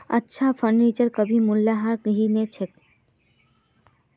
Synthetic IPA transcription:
ə̰tːʃʰafʰəɾnit͡ʃəɾkəbʱimulːaɦaɾkɦinet͡ʃʰek

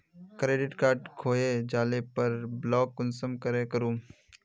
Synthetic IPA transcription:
kɾeːɖɪʈkaːɾɖkʰoːed͡ʒaːlepɐɾblɔːkːʊnsəmkəɾekəɾũː

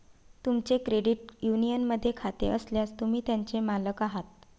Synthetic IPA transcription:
t̪umt͡sekɾeɽiʈjunijənməd̪ʱːjekʰat̪ḛʔəsljast̪umiːt̪jaɲt͡semaləkaɦat̪̚

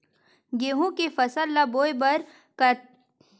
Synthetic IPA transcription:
ɡeːɦũkefɐsəlːaboːebɐɾ | kə

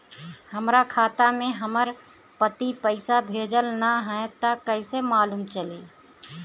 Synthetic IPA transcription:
həmɾakʰaːt̪amẽɦəməɾ | pət̪ipəɪsabʱeːd͡ʒəlnaɦɛ̃t̪akəɪsemaːluːmt͡ʃəliː

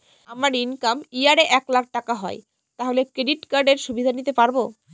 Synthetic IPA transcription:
amaɾinkamiaɾeʔɛklak̚ʰʈakaɦɔe | t̪aɦolekɾeɖiʈkaɾɖeɾʃubʱid̪ʱanit̪epaɾbo

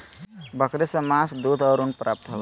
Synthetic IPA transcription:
bɐkɾisɐmaːsd̪uːd̪ʱɐːɾunpɾaːp̚t̪ɦɐʋ

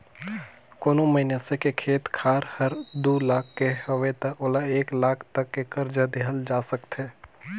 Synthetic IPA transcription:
koːnoməɦinesekekʰeːt̪kʰaːɾhɐɾd̪uːlaːkʰːehɐʋet̪əoːlaeːklaːkʰt̪ɐkːekɐɾd͡ʒəd̪eɦəld͡ʒaːsəkt̪ɦeː

